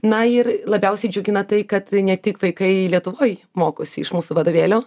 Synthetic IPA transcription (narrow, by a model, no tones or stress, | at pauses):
nɐɪɾlˠɐbʲɛʊsʲɛɪd͡ʒʲʊɡʲɪnɐt̪ɐɪkɐt̪nʲɛtʲɪkʋɐɪkɐɪlʲiɛt̪ʊʋoːj | moːkoːsʲɪɪʃmuːsuʋɐd̪oːʋʲeːlʲoː